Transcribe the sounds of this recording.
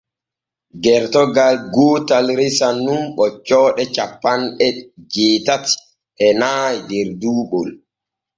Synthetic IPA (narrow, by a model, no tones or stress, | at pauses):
ɡɛɾtɔɡalɡoːtalɾisanːumɓɔt͡ʃːɔːɗɛt͡ʃapːanɗɛd͡ʒeːtati̥ | ʔɛnaːjdɛɾduːɓɔl